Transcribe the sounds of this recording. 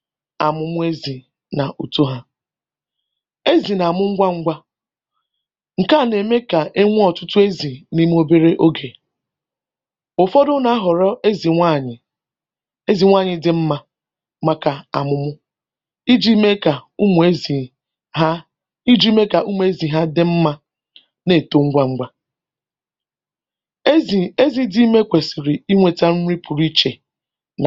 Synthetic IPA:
a̰˨mʊ˨mʊ˦e˦zi˨ | na˨ʔu˨to˦ɦa˦ | e˦zi˨na˨mʊ˦ŋ̩˦ɡʷa˦ŋ̩˦ɡʷa˦ | ŋ̩˨ka˦˨ne˨me˦ka˨ʔe˦ŋʷ˦ɔ˨tʊ˦tʊ˦e˦zi˨ni˦m˦o˦be˦ɾe˦ʔo˦ɡe˨ | ʊ˨fɔ˦dʊ˦na˦a˦ɦɔ˨ɾɔ˦e˦zi˨a˦˨ɲɪ˨ | e˦zi˨ŋʷa˦˨ɲɪ˨dɪ˨m̩˦ma˦ | ma˦ka˨a̰˨mʊ˦mʊ˦ | i˦d͡ʒi˦me˦ka˨u˦m˨e˦zi˨ | ɦa˦ | i˦d͡ʒi˦me˦ka˨ʔu˦mu˨˦e˦zi˨ɦa˦dɪ˦m̩˦ma˦ | ne˦˨to˨ŋ̩˦ɡʷa˦ŋ̩˦ɡʷa˦˨ | e˦zi˦di˦i˦me˦kʷe˨sɪ˨ɾɪ˨i˦ŋʷe˨ta˦n̩˦ɾi˦pʰu˨ɾi˦t͡ʃe˨ | n˨

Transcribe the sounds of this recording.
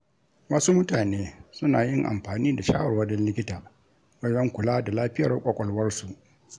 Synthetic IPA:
wa˦suː˦mʊ˦taː˨neː˦sʊ˦naː˨jɪ˦ŋʔa̰˨mɸaː˨niː˦da˨ʃa̰ː˦wɐ˨wɐ˦dɔ˦nlɪ˦kʲɪ˦taː˨ | wɐ˦zɐ˦ŋkʷʊ˨laː˦da˨laː˦ɸɪ˦jɐ˨rkʷʼɐ˨kʷʼɔ˨lwɐ˦rsu˨ʔ

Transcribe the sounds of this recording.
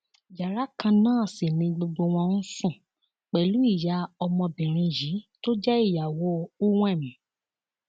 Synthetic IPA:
d͡ʒa˨ɾa˨˦kã˧nãː˦˨si˨nĩ˧ɡ͡bo˧ɡ͡bo˧w̃ɔ̃˧n̩˦sũ˦˨ | k͡pɛ˨lu˨˦i˦˨ja˨˧˦ɔ˧mɔ̃˧bĩ˨ɾ̃ĩ˧ji˨˦to˦d͡ʒɛ˦i˦˨ja˨wo˦u˦w̃ɛ̃˦˨mĩ˨˦

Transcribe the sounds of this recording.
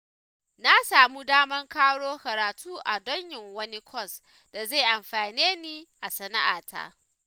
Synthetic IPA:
na˦saː˨mu˦daː˦mɐ˦ŋkaː˦ɽoː˦kɐ˨ɾaː˨tʰuː˦ʔa˨dɔ˦ɲjɪ˨ŋwɐ˦ni˦kʷʰɔ˦˨s | d̥a˨ze˦˨ʔa˨mɸaː˨neː˦niː˦ʔa˨sɐ˨na˦ʔa̰ː˨tʰa̰˦ʔ

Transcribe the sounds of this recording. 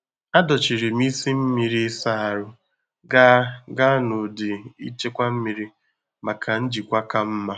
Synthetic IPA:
a˦dɔ˨t͡ʃi˨ɾi˨m˦i˦si˦m̩˦mi˨ɾi˦sa˦a˨ɾʊ˨ | ɡa˦ɡa˦no˨dɪ˨ḭ˦t͡ʃe˦kʷa˦m̩˦mi˨ɾi˦ | ma˨kʰa˨n̩˦d͡ʒi˨kʷa˦ka˦m̩˦ma˦

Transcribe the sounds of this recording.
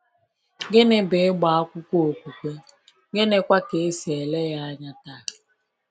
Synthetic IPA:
ɡe˦ne˨be˨˦ɡ͡ba˨a˦kʷʊ˦kʷo˦o˨kʷu˨kʷe˦ | ɡe˦ne˦kʷa˦ke˨˦si˨e˨le˦ja˦a˦ɲa˦ta˦˨

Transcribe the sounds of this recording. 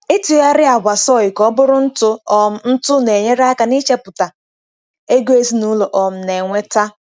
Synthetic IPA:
ɪ˦tʊ˨ja˦ɾɪ˦a˨ɡʷa˨sɔ˦ɪ˨kɔ˦bʊ˦ɾʊ˦n̩˦tʊ˦ɔ˨m̩˦n̩˦tʊ˦ne˨ɲe˦ɾa˦ka˨ni˦t͡ʃe˦pʊ˨ta˨ | e˦ɡu˦e˦zi˦nu˦lo˨ʔɔ˨m̩˦ne˨ŋʷe˦ta˦

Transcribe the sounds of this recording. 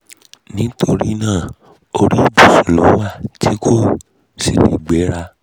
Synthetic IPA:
nĩ˦tʰo˧ɾi˦˧nãː˦˨ | o˧ɾi˦˨bu˦˨su˨lo˨˦wa˦˨ti˦kʰo˦˨ | si˦li˨ɡ͡bɛ˨˦ɾa˧

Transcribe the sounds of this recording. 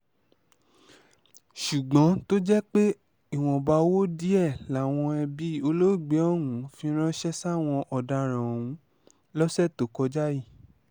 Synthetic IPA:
ʃu˨ɡ͡bɔ̃˨˦to˦d͡ʒɛ˦k͡pe˦ | i˦˨w̃ɔ̃˨ba˧wo˦di˦ɛ˦˨la˨w̃ɔ̃˧ɛ˧bi˦o˧lo˦˨ɡ͡bɛ˨˦ɔ˦˨wũ˨˦fĩ˧˦ɾ̃ɔ̃˦ʃɛ˦sa˦˨w̃ɔ̃˧ʔɔ˨da˧ɾ̃ã˨ũ˨˦ | lɔ˦sɛ˦˨to˨kɔ˧d͡ʒa˦ji˦˨

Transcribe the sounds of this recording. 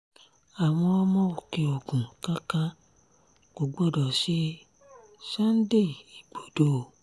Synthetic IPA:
a˨w̃ɔ̃˧ɔ˧mɔ̃˦o˨ke˧o˨ɡũ˨ka˦kã˦ | ko˨ɡ͡bo˦˨dɔ˨ʃe˦ | sa˦n̩˦de˦˨i˨ɡ͡bo˨do˨

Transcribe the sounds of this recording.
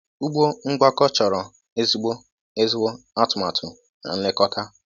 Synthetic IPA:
u˦ɡ͡bo˦ŋ͡m̩˦ɡ͡ba˦kɔ˦t͡ʃɔ˨ɾɔ˨ | e˦zu˦ɡ͡bo˦ | e˦zi˦wo˦ | a˦tʊ˨ma˨tʰʊ˨ | na̰˨n̩˦lɪ˦kɔ˦ta˦

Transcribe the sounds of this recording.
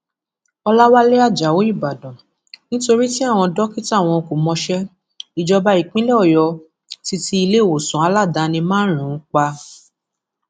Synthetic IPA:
ɔ˧la˦wa˦le˦a˦˨d͡ʒa˨wo˨˦i˦˨ba˨dɔ̃˨ | nĩ˦to˧ɾi˦ti˦a˦˨w̃ɔ̃˧dɔ˦ki˦ta˦˨w̃ɔ̃˧ko˨mɔ̃˧ʃɛ˦ | i˨d͡ʒɔ˧ba˧i˨k͡pĩ˦le˦ɔ˦˨jɔ˧ | ti˧ti˧i˧le˦˨wo˨sũ˨a˨˧la˦˨da˧nĩ˧mãː˦n̩˦ɾ̃ũ˨˦k͡pa˧

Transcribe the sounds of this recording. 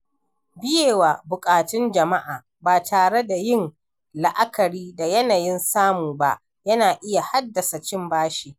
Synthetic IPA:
bɪ˦jeː˨waː˨bʊ˨kʼaː˨tɪ˦nd͡ʒɐ˨ma˦ʔaː˨ | baː˨tʰaː˨ɽe˦da˨jɪ˦n | la˨ʔa˦kɐ˨ɾiː˦da˨jɐ˦na˨jɪ˦nsaː˦muː˨ba˦ʔ | jɐ˦naː˨ʔɪ˦ja˨ha˦dːɐ˨sa˨t͡ʃɪ˦mbaː˦ʃiː˨

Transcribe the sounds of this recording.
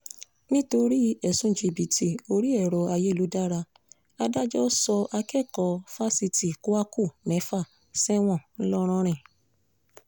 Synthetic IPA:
nĩ˦to˧ɾi˦ɛ˨sũ˨˦˨d͡ʒi˨bi˨tʰi˨o˧ɾi˦ɛ˦˨ɾɔ˨a˧je˦˨lu˨˦da˦ɾa˧ | a˧da˦d͡ʒɔ˦sɔ˧ʔa˧kɛ˦˨kɔ˧˨fa˦si˧ti˨ko˦a˦ku˦˨mɛ̃˨˦fa˦˨ | sɛ˦w̃ɔ̃˦˨n̩˦lɔ˦˧ɾ̃ɔ̃˦ɾ̃ɛ̃˨

